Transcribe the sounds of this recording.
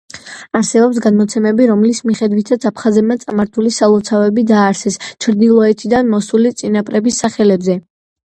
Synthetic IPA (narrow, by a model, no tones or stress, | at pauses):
aɾsɛbɔpsɡad̪mɔt̪sʰɛmɛbiɾɔmlismiχɛd̪wit̪ʰat̪sʰapʰχazɛb̚mat̪sʼamaɾt̪ʰulisalˠɔt̪sʰavɛbid̪aːɾsɛst͡ʃʰɾd̪ilˠɔɛt̪ʰid̪anmɔsulit̪sʼinapʼɾɛbisːaχɛlɛbzɛ